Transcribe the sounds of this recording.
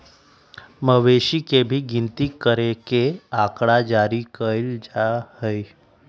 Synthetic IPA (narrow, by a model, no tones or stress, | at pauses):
məʋeɕikebʱiːɡint̪ikəɾekeakɽad͡ʒaɾikəld͡ʒahəj